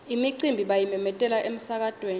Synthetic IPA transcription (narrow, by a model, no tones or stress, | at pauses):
imiǀimbʱiɓajimɛmɛtʼɛlaʔem̩sak̬ad̥ʱweːn